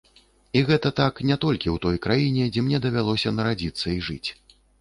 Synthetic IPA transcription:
iɣɛt̪ɐt̪aknʲɛt̪ɔlʲkʲiwt̪ɔjkɾajinʲɛd͡zʲɛmnʲɛd̪ɐvʲalˠɔsʲɐnɐɾad͡zʲit̪sːɐiʐɨ̰t͡sʲ

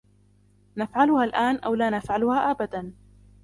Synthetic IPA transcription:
nafʕalʊhaːlʔaːnʔa̰wlaːnafʕalʊhaːʔabad̪an

